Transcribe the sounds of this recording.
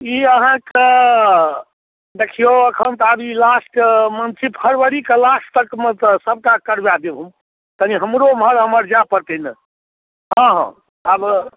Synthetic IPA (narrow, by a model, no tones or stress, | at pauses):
iəɦãkə | d̪ekʰijoəkʰənt̪abilasʈəmənt͡ʃʰipʰəɾʋəɾikəlast̪əkmet̪əsəb̚kakəɾbjad̪ebʱum | t̪əniɦəmɾomɦəɾɦəməɾd͡ʒapəɾt̪ənə | ɦə̃ɦə̰̃ | ab